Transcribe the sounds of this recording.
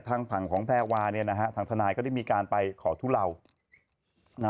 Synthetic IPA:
t̪ʰaː˧ŋpʰa˨˩ŋkʰɔː˩˦ŋpʰɛː˥˩waː˧ni˥˩ɐna˦˥kʰa˦˥ʔt̪ʰaː˧ŋt̪ʰa˧naː˧jkɔ˥˩da˥˩jmiː˧kaː˧npa˧jkʰɔː˩˦t̪ʰuː˦˥˩la˧w | na˦

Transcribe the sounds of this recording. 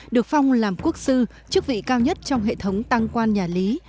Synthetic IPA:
ɗɨ˨˩ək̚fa˧wŋ͡mlaː˨˩mku˦˥ək̚sɨ˧ | t͡ɕɨ˦˥ək̚vḭ˧˨kaː˧wɲə˦˥t̚t͡ɕɔ˧wŋ͡mɦḛ˧˨t̪ʰə˨˦wŋ͡mt̪a˧ŋkwaː˧nɲaː˨˩li˨˦

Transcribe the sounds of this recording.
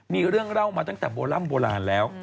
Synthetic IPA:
miː˧ɾɯ˥˩əŋɾa˥˩wmaː˧a˥˩ŋt̪ɛ̰ː˨˩boː˧la˥˩˨mboː˧la̰ː˧nlɛː˦˥w

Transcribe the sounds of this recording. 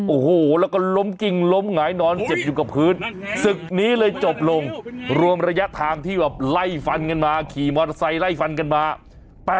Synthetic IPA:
ʔo˨˩hoː˨˩lɛː˦˥wkɔ˥˩lo˦˥mki˧ŋlo˦˥mŋaː˩˦jnɔː˧nse˨˩p̚juː˨˩ka˨˩pʰɯː˦˥nsɯ˨˩k̚niː˦˥lɤː˧jt͡ɕo˨˩p̚lo˧ŋɾu˧əmɾa˧ja˦˥ʔt̪ʰaː˧ŋt̪ʰiː˥˩bɛː˨˩p̚la˥˩jfa˧nka˧nmaː˧kʰiː˨˩mɔː˧tsa˧jla˥˩jfa˧nka˧nmaː˧ | pɛː˨˩

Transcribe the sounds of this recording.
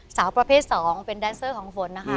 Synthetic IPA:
saː˩˦wpɾa˧pʰeː˥˩t̪̚sɔː˩˦ŋpe˧ndaː˧˩nsɤː˥˩kʰɔː˩˦ŋfo˧nːa˦˧kʰa˦˥

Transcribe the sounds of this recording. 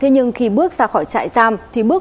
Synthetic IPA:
t̪ʰe˨˧˦ɲɨ˧ŋxi˧ɓɨ˦˥ək̚zaː˧xɔ˧˩jt͡ɕa̰ː˧˨jzaː˧mt̪ʰi˨˩ɓɨ˦˥ək

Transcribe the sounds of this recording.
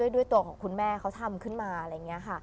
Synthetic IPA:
u˥˩əjdu˥˩əjt̪u˧ɐkʰɔː˩ŋkʰu˧nmɛː˥˩kʰa˦˥wt̪ʰa˧mkʰɯ˥˩nmaː˧ɾa˧jːa˨˩ŋːi˦˥ɐkʰa˥˩

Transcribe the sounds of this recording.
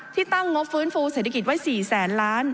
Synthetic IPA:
t̪ʰiː˥˩t̪a˥˩ŋːo˦˥p̚fɯː˦˥nfuː˧seː˨˩a˧ki˨˩t̪̚wa˦˥jsiː˨˩sɛː˩˦nlaː˦˥n

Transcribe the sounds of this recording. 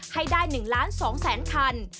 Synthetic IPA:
ha˥˩jdaː˥˩jnɯ˨˩ŋlaː˦˥nsɔː˩˦ŋsɛː˩˦nkʰa˧n

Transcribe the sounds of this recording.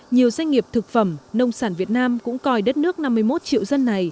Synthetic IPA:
ɲi˨˩əwzwa˧jŋ̟ŋi˨˩əp̚t̪ʰɨ˨˩k̚fə˧˩mnə˧wŋ͡msaː˧˩nvi˨˩ət̚naː˧mkʊ̰˧˥ŋ͡mkɔ˧˩jɗə˦˥t̚nɨ˦˥ək̚na˧mːɨ˧əjmo˦˥t̚t͡ɕḭ˧˨wzə˧nːa˨˩j

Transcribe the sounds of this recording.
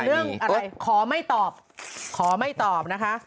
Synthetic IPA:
nɯ˥˩əŋʔa˧a˧jkʰɔː˩˦ma˥˩jt̪ɔː˨˩p̚ | kʰɔː˩˦ma˥˩jt̪ɔː˨˩p̚na˦˥kʰa˦˥ʔ

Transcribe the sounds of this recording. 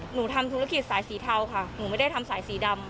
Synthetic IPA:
nuː˩˦t̪ʰa˧mt̪ʰu˧˦˥a˥˧˩ki˨˩t̪̚saː˩˦jsiː˩˦t̪ʰa˧wkʰa˥˩nuː˩˦ma˥˩jda˥˩jt̪ʰmsaː˨˩˦jsiː˩˦da˧m

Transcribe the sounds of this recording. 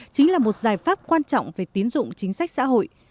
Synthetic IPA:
t͡ɕï˨˦ŋlaː˨˩mo˨˩t̚zaː˨˩jfaː˦˥p̚kwaː˧nt͡ɕɔ̰˧˨wŋ͡mve˨˩t̪i˨˦ənzʊ̰˧˨ŋ͡mt͡ɕï˨˦ŋ̟sa˦˥jk̚sa̰ː˧˥ɦo̰˧˨j

